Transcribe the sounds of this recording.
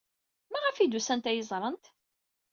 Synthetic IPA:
mæʁæfid̪usænt̪æjəzˤɾˤənt̪

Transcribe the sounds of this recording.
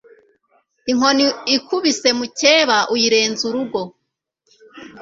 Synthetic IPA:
iŋho̞niikʰuβise̞muceːβaʔujiɾe̞ːnzuɾuɡo̞

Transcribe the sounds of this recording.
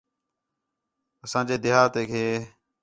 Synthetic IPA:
əsãːd͡ʒeːd̪ɪɦaːt̪eːkʰeː

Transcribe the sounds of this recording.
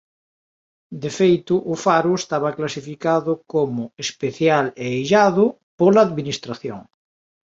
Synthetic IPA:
d̪efejt̪ʊʔʊfaɾuest̪aβaklasifikaðʊkomʊespeθjaleːjʒaðʊ | polaːðminist̪ɾaθjo̰ŋ

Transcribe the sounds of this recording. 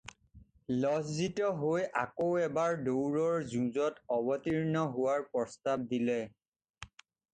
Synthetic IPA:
lɔszitɔɦojʔakowɛbaɹdowɹɔɹzũzɔtɔbɔtiɹnɔɦʊwaɹpɹɔstab̚dilɛ

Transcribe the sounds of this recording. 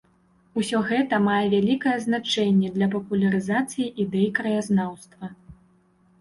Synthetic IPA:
usʲɔɣɛt̪ɐmajɛvʲalʲikɐjɛznat͡ʂɛnʲːɛd̪lʲɐp̬ɐpulʲɐɾɨzat̪sɨjiʔid̪ɛjikɾɐjaznawst̪vɐ

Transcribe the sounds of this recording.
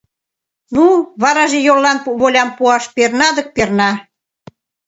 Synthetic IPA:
nuβɑɾɑʒejolːɑnβolʲɑmpuɑʃpernɑd̪ə̆k̚pernɑ

